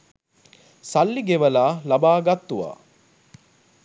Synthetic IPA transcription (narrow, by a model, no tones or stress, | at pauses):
sɐlːiɡeʋɐlaːlɐbaːɡɐt̪ːuʋa̰ː